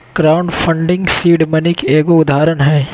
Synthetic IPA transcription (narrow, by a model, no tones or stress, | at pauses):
ɡ̥ɾaːʊɳɖfʰɐ̃ɳɖɪ̃ŋɡsiːɖmɐnɪkeːɡoʊd̪ʱaːɾənɦɛː